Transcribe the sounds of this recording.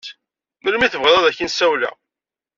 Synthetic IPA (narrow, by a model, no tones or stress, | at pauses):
məlmiθəvʁðˤæðæçənsæwlæ̰